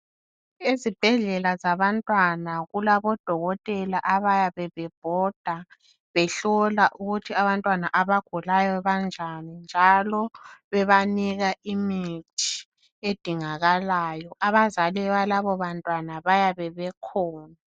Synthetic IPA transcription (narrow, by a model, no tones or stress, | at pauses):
izib̥ʱɛɮɛlazaβantʼwanaɣulaβɔd̥ʱɔɣɔtʼɛlaʔaβajaβɛβɛb̥ʱɔd̥ʱa | βɛɬɔlaʔuɣutʰiaβantʼwanaʔaβaɡ̥ʱulajɔβand͡ʒʱanind͡ʒʱalɔβɛβaniɣaʔimitʰi̥ | ed̥ʱiŋaɣalajɔʔaβazalɛβalaβɔβantʼwanaβajaβɛβɛkʰɔːna